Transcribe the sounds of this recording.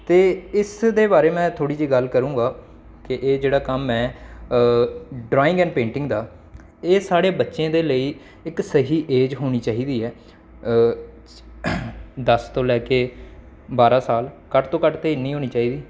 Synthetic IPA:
t̪eːɪsd̪eːbaːɾeːmɛ̃ːt̪ʰoːɽiːd͡ʒiːɡəlkəɾũːɡaː | kɪʔeːd͡ʒeːɽaːkəmɛː | ɖɾaːɪ̃ŋɡɛ̃ːnpẽːɳʈɪ̃ŋɡd̪aː | eːsaːɽeːbətːʃẽːd̪eːləiː | ɪksəɦiːʔeːd͡ʒɦoːɽ̃iːt͡ʃaːɦiːd̪iːɛː | d̪əst̪oːlɛːkeː | baːɾãːsaːlkəʈt̪õːkəʈt̪eːɪnĩːɦoːniːt͡ʃaːiːd̪iː

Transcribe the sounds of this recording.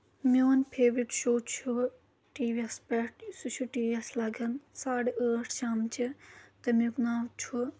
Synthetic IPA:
mʲjoːnpʰeːʋiʈʃoːt͡ʃʰu | ʈiːʋiɐspɛʈsut͡ʃʰuʈiːʋiɐslɐɡʱɐnsaːɽəːʈʰʃaːmt͡ʃit̪ɐmjuknaːʋt͡ʃʰu

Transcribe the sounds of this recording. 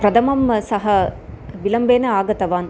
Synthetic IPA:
pɾɐd̪ʰʱɐmɐmsɐɦɐʋilɐmbeːnɐaːɡɐt̪ɐʋaːn

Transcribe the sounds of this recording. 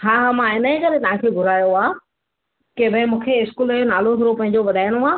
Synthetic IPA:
ɦãːɦamãɪnəĩkɐɾet̪ɐʋ̤ãkʰeːɡʱʊɾaːjoaː | kebʱə̃ɪ̃mũːkʰeɪskuːlonaːlot̪ʰʊɾopɐ̃ɦɪ̃ɲ̆d͡ʑoʋɐd̪ʱaːɪɽ̃õaː

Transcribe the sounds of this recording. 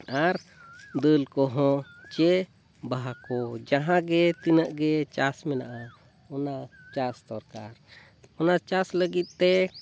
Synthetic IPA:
aɾd̪əlkɔɦɔ̃t͡ʃɛ | baɦakɔd͡ʒaɦãɡɛt̪inəʔɡɛt͡ʃasmɛna̰ʔa | ɔnat͡ʃasd̪ɔɾkaɾ | ɔnat͡ʃasləɡit̪̚ˀt̪ɛ

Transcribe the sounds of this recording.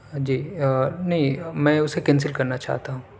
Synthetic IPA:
d͡ʒiːnɐɦĩmɛ̃ːʊsekɛ̃ns̬ɪlkɐɾnat͡ʃa̰ːɦt̪aɦũː

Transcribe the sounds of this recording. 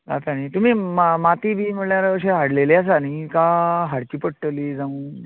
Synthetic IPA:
ɾa̰t̪anit̪um̤iːmmat̪iːbʱiːm̤əɽɭjaɾəɕ̬eɦaɽleleas̬anikaɦaɽt͡ɕiːpəɽʈəliːd͡zaũː

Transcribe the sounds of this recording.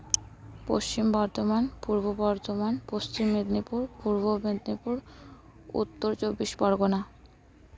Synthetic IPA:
po̰ʃt͡ɕimbɔɾt̪omanpuɾbobɔɾt̪omanpost͡ɕimːed̪nipuɾpuɾbobed̪nipuɾ | ṵt̪ːoɾt͡ɕobːiʃbɔɾɡona

